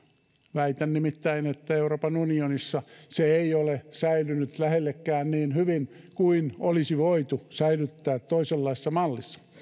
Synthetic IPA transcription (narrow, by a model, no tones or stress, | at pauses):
ʋæit̪ænnimit̪ːæinet̪ːæeuroːpɑnunionisːɑseeiolesæilynyt̪læhelːekːæːnniːnhyʋinkuinolisiʋoit̪usæilyt̪ːæːt̪toiselːɑisesːɑmɑlːisːɑ̥